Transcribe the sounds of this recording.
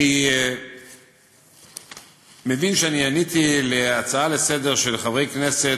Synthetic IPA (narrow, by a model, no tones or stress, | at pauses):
i | me̞vinʃeanianit̪ile̞at͡saale̞se̞d̪eʁʃelχavʁejkne̞se